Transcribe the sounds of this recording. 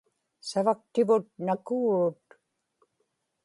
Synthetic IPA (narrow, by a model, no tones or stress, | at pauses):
savak̚t̪ɪvʊt̪̚nakuːut̪